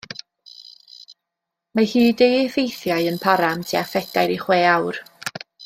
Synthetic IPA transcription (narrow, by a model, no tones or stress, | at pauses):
mahiːdejɪfejθjaɨənpʰaɾamtʰiafɛd̥ajɾiχweːawr